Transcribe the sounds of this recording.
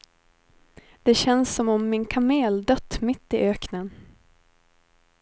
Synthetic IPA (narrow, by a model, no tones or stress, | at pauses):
d̪̥ɛɕɛnsːɔmɔmːɪnkʰameːld̪œt̪ːmɪt̪ːɪʔøːknən